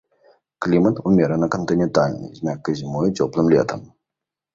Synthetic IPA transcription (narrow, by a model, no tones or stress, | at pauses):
klʲimɐt̪umʲɛɾɐnɐkɐnt̪ɨnʲɛnt̪alʲnɨ̰zʲnʲakːɨzʲimɔjut͡sʲɔplˠɨmlʲɛ̰t̪ɐm